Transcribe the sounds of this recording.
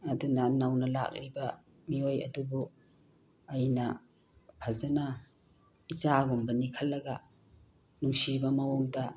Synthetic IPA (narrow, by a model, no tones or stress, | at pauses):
ɐdunɐnɐwnɐla̰k̚ɾibɐ | miojɐ̰dubu | ɐjnɐ | pʰɐzɐnɐ | it͡ʃaɡumbɐnikʰɐlːɐɡɐ | nuŋsibɐmɐwoŋdɐ